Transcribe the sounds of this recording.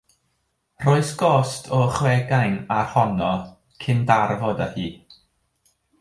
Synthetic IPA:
r̥oːɨsɡ̥ɔstʰɔəχwɛɡajnarhɔnɔ | kʰɪndarvɔdahiː

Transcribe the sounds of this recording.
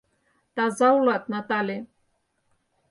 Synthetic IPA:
t̪ɑzɑulɑt̪̚nɑt̪ɑlʲe

